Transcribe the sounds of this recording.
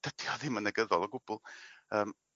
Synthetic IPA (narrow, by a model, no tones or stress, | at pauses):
d̥əd̥jɔðɪmənəɡəðɔlˠɔɡʊbʊlˠəːm